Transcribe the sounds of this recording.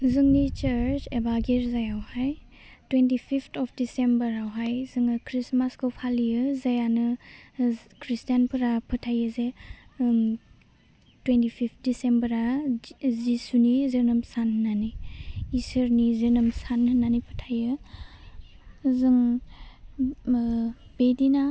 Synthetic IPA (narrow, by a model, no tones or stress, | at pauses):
zɯŋnit͡ʃəɾt͡ʃebaɡiɾzajawhaj | twentipʰipʰtʰɔpʰdisembəɾawɦajzɯŋɯkʰɾismaskɯwpʰalijɯzajanɯ | kʰɾistijanpʰɯɾapʰɯtʰajɯze | twentipʰip̚ʰt̚disembəɾa | zisunizenɯmsannaniː | sɯɾnizenɯmsanhɯnːanipʰɯtʰajɯ | zɯŋ | b̥edina